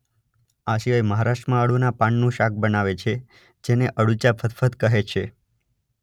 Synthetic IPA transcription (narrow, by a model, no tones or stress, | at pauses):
aʃiʋaeməɦaɾaʃʈəmãəɽunapãɳnũʃak̚bənaʋet͡ʃʰe | d͡ʒeneʔəɽut͡ʃapʰət̪fʰət̪kəɦet͡ʃʰe